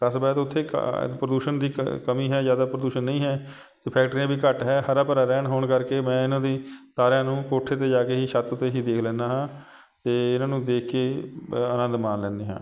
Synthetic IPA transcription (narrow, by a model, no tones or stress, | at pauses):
kəsbɛːt̪ʊt̪ʰːḛːpɾəd̪uːʃənd̪ḭːkəmĩːɦɛːzjaːd̪aːpɾəd̪uːʃənːə̃ĩːɦɛː | t̪eːpʰɛːk̚ʈɾiãːbʱiːkəʈɦɛːhəɾaːpəɾaːɾɛːnɦoːɽkəɾkeːmɛ̃ːɪnãːd̪iːt̪aːɾjãːnũːkoːʈʰːeːt̪eːd͡ʒaːkeːɦiːʃət̪ʊt̪ʰːeːɦiːd̪eːkʰlɛ̃ːnd̪aːɦãː | t̪eːɪnãːnũːd̪eːkʰkeːənə̃nd̪mãːnlɛ̃ːnd̪eːɦã̰ː